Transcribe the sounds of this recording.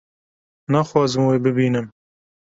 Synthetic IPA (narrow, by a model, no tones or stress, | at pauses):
nɑxwɑːzɨmweːbɨbiːnɨm